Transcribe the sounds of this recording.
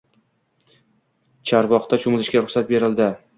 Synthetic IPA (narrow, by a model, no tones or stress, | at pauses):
t͡ʃʰaɾvɒχt̪at͡ʃʰomɪlɪʃɡʲaɾʊχsat̪̚be̞ɾɪld̪ɪ